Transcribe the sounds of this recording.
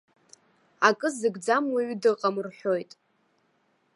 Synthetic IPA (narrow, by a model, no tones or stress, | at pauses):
akʼɨzɨɡd͡zamwaɥdɨqʼamrħʷᶣo̞jtʼ